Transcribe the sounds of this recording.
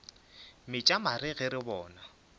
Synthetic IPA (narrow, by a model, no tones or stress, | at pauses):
mɪt͡ʃʼamaɾɪɣɪɾɪbɔːna